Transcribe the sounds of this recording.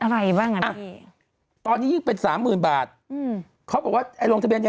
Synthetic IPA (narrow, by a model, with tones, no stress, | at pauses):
ʔa˧ɾa˧jbaː˥˩ŋa˧˩ʔa˧˩ | t̪ɔː˧nːiː˦˥jɯː˥˩ŋpe˧nsaː˩˦mːɯː˨˩nbaː˨˩t̪̚ː | kʰa˦˥wbɔː˨˩k̚waː˥˩ʔa˧jlo˧ŋt̪ʰbi˧ənja˧